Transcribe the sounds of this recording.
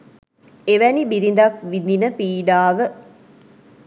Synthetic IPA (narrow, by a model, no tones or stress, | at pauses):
eʋænibiɾind̪akʋid̪inəpiːɖaːʋə